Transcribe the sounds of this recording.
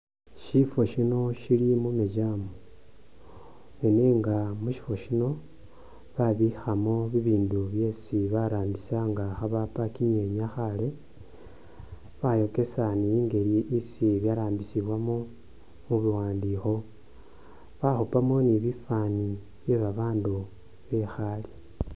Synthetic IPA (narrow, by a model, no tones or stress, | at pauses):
ʃifo̞ʃino̞ʃilimumeɟamo | neneŋɡamuʃi̥fo̞ʃino̞ | βaβixamoβiβiːnduβje̞siβaɾaːmbisaŋɡaxaβapakiɲe̞ɲaxale̞ | βajo̞ke̞sanijiːŋɡe̞liʔisiβjaɾaːmbisiβwamo | muβiwaːndixo̞ | βaxupamoniβifani | βje̞βaβaːndu | βe̞xali̥